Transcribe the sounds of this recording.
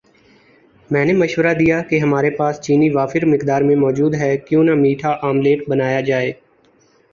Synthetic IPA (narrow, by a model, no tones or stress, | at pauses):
mɛ̃ːneməʃʋɾad̪ijakeɦɐmaːɾepaːst͡ʃiːniʋaːfɪɾmɪkd̪aːɾmẽmɔːd͡ʒuːd̪ɦɛkjõːnamiːʈʰaʔaːmleːʈ̚bənaːjad͡ʒaːeː